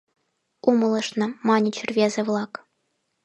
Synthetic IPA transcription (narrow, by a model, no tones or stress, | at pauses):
umɤ̆lˠɤ̆ʂnɤ̆mɑnʲit͡ɕʰɘ̆rʲvʲezʲɘ̆ʋlˠɑk